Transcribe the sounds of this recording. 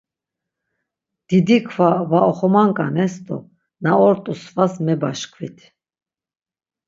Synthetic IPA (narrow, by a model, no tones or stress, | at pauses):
d̪̥id̪ikʰvavaɔχɔmaŋkʼanɛsd̪ɔ̰ | naɔɾt̪ʼusvasmɛbaʃkʰvit̪ʰ